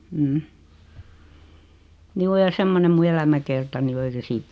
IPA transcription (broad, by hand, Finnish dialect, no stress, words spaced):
m̩ːm̩ juː jɑ semːonem mu elæmækertɑni o ei se siːt